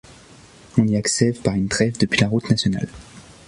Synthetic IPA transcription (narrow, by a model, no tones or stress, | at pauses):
ɔ̃niaksɛvpaʁynt̪ʁɛvd̪əpɥilaʁut̪nasjɔna̰l